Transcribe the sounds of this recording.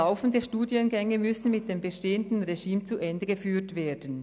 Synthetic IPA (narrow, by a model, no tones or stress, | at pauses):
aʊfn̩dəʃtuːdiənɡɛŋəmʏsn̩mɪt̚d̥eːmbəʃteːəndn̩ʁeʒiːmt͡suʔɛndəɡəfyːtveːɐdən̩